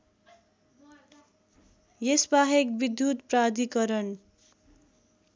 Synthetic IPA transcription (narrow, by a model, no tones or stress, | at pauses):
jesbaɦek̚bid̪jut̪prad̪ʱikʌɾʌn